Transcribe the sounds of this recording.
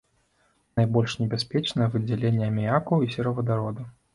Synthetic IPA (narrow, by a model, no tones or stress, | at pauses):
najbɔlʲʂnʲɛbʲaspʲɛt͡ʂnɐjɐvɨd͡zʲɛlʲenʲːɛɐmʲijakɐwisʲɛɾɐvɐd̪aɾɔd̪u